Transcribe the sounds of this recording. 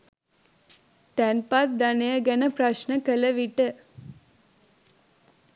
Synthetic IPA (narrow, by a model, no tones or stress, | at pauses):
t̪ɛnpat̪̚d̪ɐnejəɡɛnəpɾɐʃnəkələʋiʈə